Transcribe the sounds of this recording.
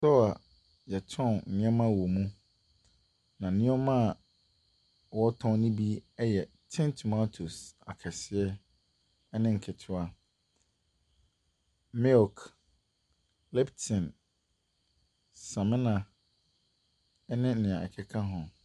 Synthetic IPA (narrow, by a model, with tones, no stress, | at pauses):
sɔ˦a˨ | jɛ˨tʰɔ̃˦˨n˨nɪ̃˦ɛ˦mã˦wɔ˨mũ˦ | nã˨nɪ̃˦ɛ˦mã˦˨ | wɔ˦tʰɔ̃˦nɪ̃˦bi˦ɛ˦jɛ˨ | tʰɪ̃˦ntʰu˨mã˦tʰo˨sa̰˨kʰɛ˨sɪ˦ɛ˦ | nɪ̃˦ŋ̩˨kʰɪ˨tʰɪ˦a˦ | mɛ˦ɔ˨k | lɛ˦btʰɪ̃˨n | sã˨mɪ̃˦nã˨ | ɛ˦nɪ̃˦nɪ̃˨ã˨ɛ̰˨kʰɛ˨kʰa˦ɦɔ̃˨